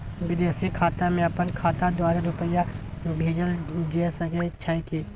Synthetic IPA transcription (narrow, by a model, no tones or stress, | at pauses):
wɪd̪eːsikʰaːt̪amẽɐpənkʰaːt̪ad̪waːɾeɾʊpəjabʱeːd͡ʒəld͡ʒesəɡet͡ʃʰaːiki